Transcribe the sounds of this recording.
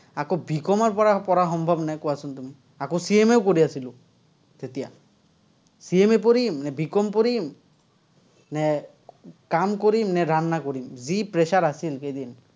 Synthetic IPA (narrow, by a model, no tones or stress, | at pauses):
akobikɔmaɹpɔɹapɔɹaxɔmbʱɔbnajkɔasunt̪umi | akosiemeʊkoɾiasilo | tet̪ija̰ | siemep̬oɾimnɛbʱikɔmpoɾim | nɛ | kamkoɾimnɛɾanːakoɾimzipɹesaɾasilkejd̪in